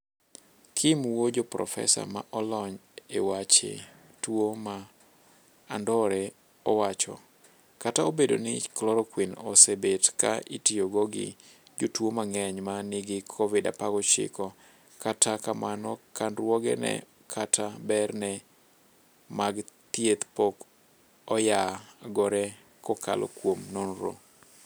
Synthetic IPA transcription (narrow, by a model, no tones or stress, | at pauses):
kʰɪmwod͡ʒopɾɔ̰fɛ̰sa̰ma̰ʔɔlɔɲewat͡ʃḛ | twoma | ndɔɾɛ | ɔwat͡ʃɔ̰ | kataobedo̰nɪklɔɾɔkwinɔsebetka̰itioɡoɡɪ̰ | d͡ʒotwomaŋɛɲmanɪɡɪkʰɔvɪda̰paɡɔt͡ʃɪ̰kɔ | katakamanɔkandrwɔɡɛ̰nɛ̰ | kʰatʰabɛrnɛ | maɡt̪jet̪pɔk | ɔjaɡɔɾɛ | kɔkʰa̰lʔɔ̰kwomnonɾo̰